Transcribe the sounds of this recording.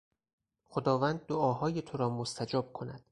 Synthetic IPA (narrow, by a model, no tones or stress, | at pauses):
xod̪ɒːvæːnd̪̚ːoɒːɦɒːjet̪ʰoɾɒːmost̪ʰæd͡ʒɒːb̥̚kʰo̞næ̰d̪̥